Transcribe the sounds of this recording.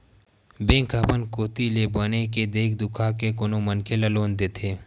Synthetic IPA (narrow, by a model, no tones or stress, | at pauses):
bẽːŋkʰapənkoːt̪ilebəneked̪eːk̚d̪ʊkʰakekonomənkʰeləloːnd̪eːt̪ʰeː